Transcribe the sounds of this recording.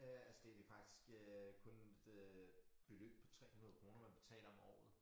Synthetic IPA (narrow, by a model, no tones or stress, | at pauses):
øælsd̥ed̥efɑ̈ɡ̥̚d̥i̥sɡ̥økʰɔ̽ned̥ | b̥e̝lø̰ːb̥̚pʰɒ̽t͡sʰʁɛ̰ːhunɐð̩ˠkʰʁo̝ːnɐmænb̥e̝t͡sʰɛ̰ːlɐɒ̽mɒ̰ːð̞̩ˠ